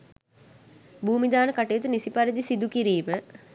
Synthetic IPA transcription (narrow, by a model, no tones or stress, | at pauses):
buːmid̪aːnəkaʈejːt̪̬unisipaɾid̪isid̪ukiɾiːmə